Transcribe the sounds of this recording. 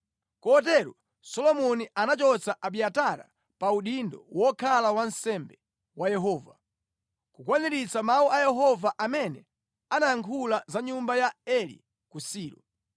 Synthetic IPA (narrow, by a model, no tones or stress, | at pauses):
kɔt̬ɛɾɔ | sɔlɔmɔnianat͡ʃɔt͡saʔaɓiataɾa̰ | pauɗindɔwɔkʰalawansɛmbɛ | wajɛɦɔːva | kukwaniɾit͡samauʔajɛɦɔvaʔamɛnɛ | anajaŋkʰulazaɲumbajaɛlḭ | kusiːɾɔ̰